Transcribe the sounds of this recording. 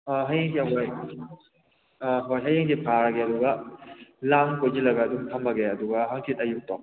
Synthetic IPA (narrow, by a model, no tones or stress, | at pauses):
aɦajeŋkiɐɦoj | ɦojɦɐjeŋkipʰaɾɡeɐduɡɐ | lamkojd͡ʒilɐɡɐːduŋtʰɐmbɐɡeɐduɡɐɦaŋkʰitɐjuk̚tɔk̚